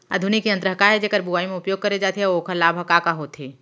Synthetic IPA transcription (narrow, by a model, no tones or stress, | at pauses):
ɐ̰d̪ʱʊnikiɐnt̪ɾəɦəkaɦɛd͡ʒeːkəɾbuaːimẽʊpjoːɡ̚kɐɾed͡ʒaːt̪eɦɛoːkʰəlaːbʱɐkakaɦoːt̪ɦeː